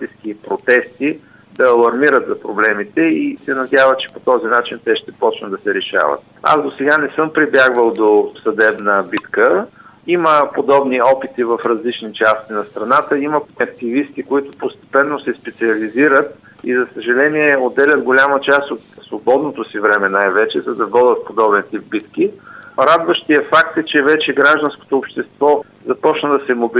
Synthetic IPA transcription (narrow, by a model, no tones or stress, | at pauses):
t̪isk̟ipɾot̪ɛst̪i | d̪ɐːlˠɐɾmiɾət̪zɐpɾoblɛmit̪ɛisɛnɐd̪ʲjavət͡ʃɛ̥pot̪ɔzinat͡ʃint̪ɛʃt̪ɛpɔt͡ʃnəd̪d̪ɐsɛɾɛʃa̰və̰t̪̚ | a̰zd̪osɛɡanɛsɤmpɾibʲjaɡvəlˠd̪osɐd̪ɛbnəbit̪kəiməpod̪ɔbniɔpit̪ivɐfɾɐzlit͡ʃnit͡ʃast̪inɐst̪ɾɐnat̪əiməɐk̚t̪ivist̪ikoit̪ʊ̥post̪ɛ̥pɛnːosɛspɛt̪siɐliziɾət̪ | ḭzɐsəʒɐlɛniɛod̪ːɛlʲət̪ɡolʲamət͡ʃast̪ot̪svobɔd̪not̪osivɾɛmɛnajvɛt͡ʃɛzɐd̪ɐvɔd̪ət̪̚pod̪ɔbɛnt̪ip̚bit̪kiɾad̪vəʃt̪iəfakt̪ɛt͡ʃɛvɛt͡ʃɛɡɾaʒd̪ənsko̥t̪oːpʃt̪ɛst̪vɔ | zɐpɔt͡ʃnəd̪ɐsɛmobi